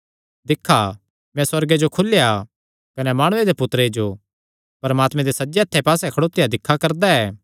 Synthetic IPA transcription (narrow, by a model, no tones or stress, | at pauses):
d̪ɪkʰːa | mɛ̃swɐɾɡed͡ʒokʰʊlːja | kɐnɛmaːɽ̃ʊed̪epʊt̪ɾed͡ʒo | pɐɾmaːt̪mɛ̃d̪esɐd͡ʒeɐt̪ʰːepaːsɛkʰɐɽoːt̪ːɪjad̪ɪkʰːakɐɾd̪aɛː